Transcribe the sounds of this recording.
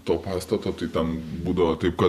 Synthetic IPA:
t̪oːpɑːst̪ɐt̪oːt̪ɐɪt̪ʲɐnbuːd̪ɐʋot̪ɐɪp̚kɐ

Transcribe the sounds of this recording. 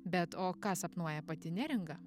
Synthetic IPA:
bʲɛt̪oːkɑsɐpnuɔjɛpɐt̪ʲɪnʲæɾʲɪŋɡɐ

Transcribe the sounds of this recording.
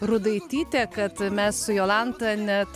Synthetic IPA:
rʊd̪ɐɪt̪ʲiːt̪ʲeːkɐt̪mʲɛssʊjoːlˠɑnt̪ɐnʲɛt̪

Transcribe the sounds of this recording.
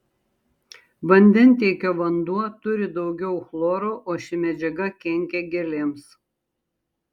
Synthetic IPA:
ʋɐnʲd̪ʲɛnˑt̪ʲeːkʲoːʋɐnd̪uɔt̪ʊɾʲɪd̪ɒʊɡʲɛʊxlˠoːɾoːʔoːʃʲɪmʲɛd͡ʒʲɛɡɐkʲɛŋʲkʲɛɡʲɛlʲeːms

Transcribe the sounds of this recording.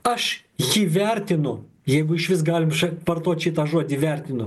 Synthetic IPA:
ɐʃ | jiːʋʲɛrʲt̪ʲɪnʊ | jɛɪɡʊɪʃʋʲɪs̬ɡɑːlʲɪmʃɐpɐrt̪oːt̪ʲʃʲɪt̪ɑːʒuɔd̪ʲiʋʲɛɾʲt̪ʲɪnʊ

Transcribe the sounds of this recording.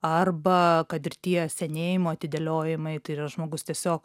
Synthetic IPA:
ɐrbɐkɐt̪ɪrt̪ʲiɛsʲɛnʲeːjɪmoːɐt̪ʲɪd̪ʲɛlʲoːjɪmɐɪt̪ɐɪɪrɐʒmoːɡʊst̪ʲiɛsʲoːk

